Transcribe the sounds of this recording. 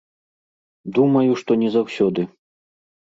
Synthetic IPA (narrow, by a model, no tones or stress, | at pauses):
d̪umɐjuʂt̪ɔnʲɛzawsʲɔd̪ɨ